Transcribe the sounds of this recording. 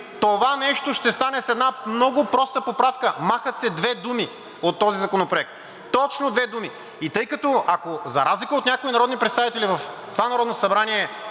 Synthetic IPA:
t̪ovanɛʃt̪oʃt̪ɛst̪anɛsɛd̪namnɔɡʊpɾɔst̪əpopɾafkəmaxət̪sɛd̪vɛd̪umi | ot̪ːɔzizɐkonopɾoɛk̚t̪̚ | t̪ɔt͡ʃnod̪vɛd̪umi | it̪ɤjkɐt̪ɔʔakozɐ̰ɾazlikəot̪nʲakoinɐɾɔd̪nipɾɛt̪st̪avit̪ɛlivɐft̪ovanɐɾɔd̪nosɐbɾaniɛ

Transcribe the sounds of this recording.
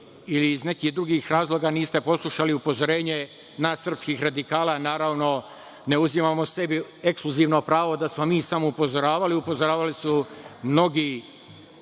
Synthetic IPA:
iliːzne̞kihd̪ɾuɡiːxɾaːzlˠo̞ːɡaniːst̪e̞po̞slˠuʃaliupo̞zoɾe̞ːɲe̞ | naːsːərpskixɾad̪ikaːlanaːɾaːʋno̞ | ne̞uzimaːmo̞se̞biekskluziːʋno̞pɾaːʋo̞d̪asmo̞miːsamoupo̞zoɾaːʋaliupozoɾaːʋalisumno̞ɡi

